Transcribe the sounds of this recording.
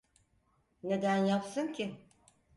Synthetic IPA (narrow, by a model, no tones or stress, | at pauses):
ne̞d̪ænjapsɯncʰi